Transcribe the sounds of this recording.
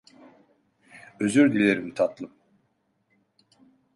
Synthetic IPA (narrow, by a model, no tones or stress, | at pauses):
øzyɾd̪ilʲeɾimt̪ʰat̪lˠɯm